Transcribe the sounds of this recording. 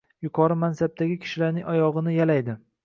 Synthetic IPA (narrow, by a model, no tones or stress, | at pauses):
jʊqʰɒɾɪmansab̚t̪ʰaɡʲɪkʲʰɪ̥ʃɪlaɾnɪŋɒjɒʁɨnɪjalajd̪ɪ